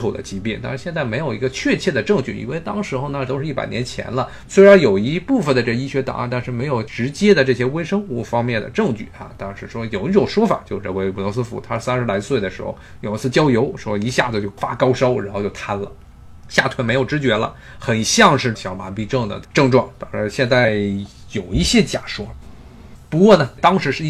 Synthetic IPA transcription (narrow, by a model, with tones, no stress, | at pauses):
t̪ʰṵ˨˩d̪ə̰˦t͡ɕi˧˥pjɛ˥˩nt̪a˥˧ʂɻ̩˧˥˧ɕjɛ˥˧nt͡sa˥˩ɪme˧˥ɪjo˨˩ʊi˧˥ɡə˧t͡ɕʰɥɛ˥˧t͡ɕʰjɛ˥˩d̪ə˩ʈ͡ʂɤ˥˧ŋt͡ɕy˥˩ḭ˨˩nwe˥˧ɪt̪ɑ˥ŋʂɻ̩˧˥xo˧na˥˧t̪o˥ʊʂɻ̩˧˥i˥˩pa̰˨˩ɪnjɛ˧˥nt͡ɕʰjɛ̰˧˥nlə˧ | swe˥ɪɻa˧˥njo˨˩ʊi˧˥pu˥˩fə˩nd̪ə˩ʈ͡ʂɤ˥˩ɡi˥ɕɥɛ˧˥t̪ɑ̰˨˩ŋ˥˩nt̪a˥˧nʂɻ̩˥˩me˧˥ɪjo˨˩ʊʈ͡ʂɻ̩˧˥t͡ɕjɛ˥d̪ə˨ʈ͡ʂɤ˥˩ɕjɛ˥we˥ɪʂɤ˥ŋu˥˩fɑ˥ŋmjɛ˥˩nd̪ə̰˩ʈ͡ʂɤ˥˧ŋt͡ɕy̰˥˩a̰˨˩t̪ɑ˥˧ŋʂɻ̩˥˩ʂwɔ˥jo˨˩ʊi˧˥ʈ͡ʂo˨˩ʊʂwɔ˥fa̰˨˩t͡ɕjo˥˧ʊ˧˩ə˧˩we˥˩ɪpu˨˩lɔ˧˥sɹ̩˥fṵ˧˥t̪ʰa˥˩sa˥nʂɻ̩˧˥la˧˥swe˥˩ɪd̪ə˩ʂɻ̩˧˥xo̰˥˧˩ʊjo˨˩ʊi˧˥t͡sɹ̩˥˧t͡ɕjɑ˥ʊjo˧˥ʊʂwɔ˥i˧˥ɕja˥˩d͡z̩˨˩t͡ɕjo˥˩ʊfa̰˥kɑ˥ʊʂo˥ʊɻa̰˧˥nxt͡ɕo˥˩t̪ʰa˥nlə˨ | ɕja˥˩t̪ʰwə˧˥nme˧˥ɪjo˨˩ʊʈ͡ʂɻ̩˧˥t͡ɕɥɛ˧˥lə̰˧ | xə˨˩nɕjɑ˥˧ŋʂɻ̩˥˩ɕjɑ˨˩ʊma˧˥npi˥˧ʈ͡ʂɤ˥˩ŋd̪ə̰˨˩ʈ͡ʂɤ˥˧ŋʈ͡ʂwɑ̰˥˩ŋt̪ɑ˥ŋʂɻ̩˧˥ɕjɛ˥˧nt͡sa˥˩ɪ | jo˨˩ʊi˧˥ɕjɛ˥t͡ɕja̰˨˩ʂwɔ˥ | pu˧˥kwɔ˥˩nə˩t̪ɑ˥ŋʂɻ̩˧˥ʂɻ̩˥˧˥